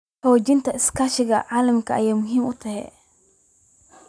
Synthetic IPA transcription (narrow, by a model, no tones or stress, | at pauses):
hɔːt͡ʃɪnt̪ʰɐɪskʰaːʃɪɣɐʕaːlɐmkʰɐɐjaːmʊɦiːmʊt̪ʰɐɦɛ̰